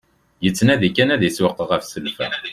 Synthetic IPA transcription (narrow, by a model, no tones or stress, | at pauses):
jət͡sːnæðikːænæðiswəqːəʁæfsəlfæ̰